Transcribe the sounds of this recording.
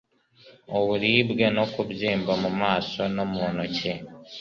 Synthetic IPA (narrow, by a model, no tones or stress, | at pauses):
oβuliβɡenokuβziːmbamumaːso̞no̞muonoce